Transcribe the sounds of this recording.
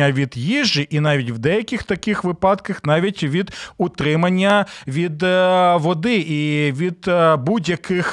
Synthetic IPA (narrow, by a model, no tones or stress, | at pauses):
ɐʋʲid̪jiʒiʔinɑʋʲitʲwd̪ɛjɐkʲixt̪ɐkɪxʋɪpɑd̪kɐxnɑʋʲitʲʋʲid̪ʊt̪ɾɪmɐnʲːɐʋʲid̪ʋɔd̪ɪʔiʋʲid̪budʲjɐkʰɪx